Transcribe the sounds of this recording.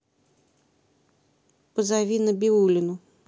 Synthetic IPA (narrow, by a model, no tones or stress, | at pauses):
pəzaʋʲinɐbʲiulʲɪnu